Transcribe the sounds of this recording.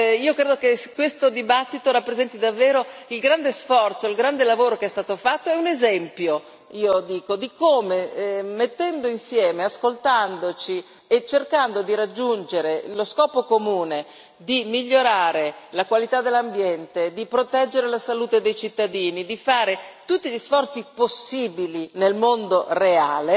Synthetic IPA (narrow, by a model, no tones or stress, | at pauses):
iːokɾeːd̪okekːwest̪od̪ibat̪ːit̪oɾapːɾezɛnt̪id̪avːeːɾoilɡɾand̪esfɔrt̪soilɡɾand̪elavoːɾokeɛst̪aːt̪ofat̪ːoɛunezɛmpjo | iːod̪iːkod̪ikoːmemet̪ːɛnd̪oinsjɛːmeaskolt̪and̪ot͡ʃi | et͡ʃːerkand̪od̪iɾad͡ʒːund͡ʒeɾeloskɔːpokomuːne | d̪imiʎːoɾaːɾelakwalit̪ad̪elːambjɛnt̪ed̪ipɾot̪ɛd͡ʒːeɾelasaluːt̪ed̪ejt͡ʃit̪ːad̪iːnid̪ifaːɾet̪ut̪ːiʎisfɔrt̪siposːiːbilinelmond̪oreaːle